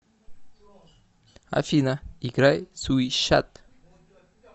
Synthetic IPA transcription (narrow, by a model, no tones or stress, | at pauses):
a̰finaiɡɾajsuiʃa̰t̪